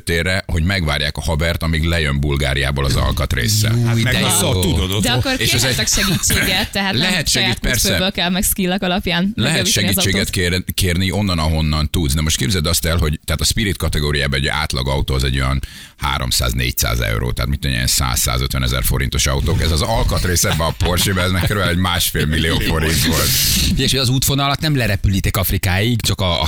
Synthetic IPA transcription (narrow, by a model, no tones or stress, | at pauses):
t̪eːrːɛho̞ɟmɛɡʋaːrjaːkɒhɒbɛrt̪ɒmiɡlɛjømbulɡa̰ːɾija̰ːbolɒzɒ̰lkɒt̪rḛːsːɛ̰ | t̪ud̪od̪od̪ɛɒkːoɾeːʃɛzɛɛkʃɛɡit͡ʃːeːɡɛt̪ːɛɦaːlɛɦɛt̪ʃɛɡipɛrsɛbøːlkɛlmɛɡskilːɛkɒlɒpjaːnlɛɦt̪ʃɛɡiːt͡ʃːeːɡɡɛt̪kekeːrnio̞nːɒnɒɦo̞nːɒnt̪ud̪zd̪ɛmo̞ʃt̪̚keːbzɛld̪ɒst̪ɛlɦo̞ɟt̪ɛaːt̪ɒspiɾit̪̚kɒt̪ɛɡoːɾijaːbɛɛɟʔa̰ːt̪lɒɡɒut̪oːɒzɛ̰ɟːo̞jɒn | ha̰ːɾo̞̰msa̰ːznḛːc̚sa̰ːzɛ̰wɾo̰ːt̪ɛɦa̰t̪mit̪ːɛɲɛ̰ɛ̰nsa̰ːsa̰ːzøt̪ʋɛnɛzɛ̰rfo̞̰ɾḭnt̪o̞ʃɒut̪oːkɛzɒzɒlkɒt̪reːsɛbːɛɒpo̞rʃeːbɛɛzmɛkkøɾyɛlɛɟmaːʃfeːlmilːioːfo̞ɾint̪ʋo̞lt̪fiɟɛkʃeɒzuːt̪fonɒlɒt̪nɛmlɛɾɛpylit̪ɛkɒfrikaːjiɡt͡ʃɒkɒ̰